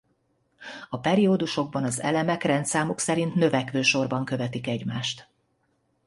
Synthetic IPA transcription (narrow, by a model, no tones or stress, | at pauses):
ɒpɛɾioːd̪uʃo̞ɡ̚bɒnɒzɛ̰lɛmɛkrɛnt̪saːmuksɛɾint̪nø̞vɛkʋøːʃo̞rbɒŋkø̞vɛt̪ikɛɟmaːʃt̪